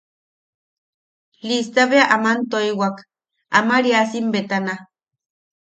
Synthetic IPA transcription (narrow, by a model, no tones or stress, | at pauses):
list̪aβeaʔamant̪oiwak | amaɾiasimbet̪ana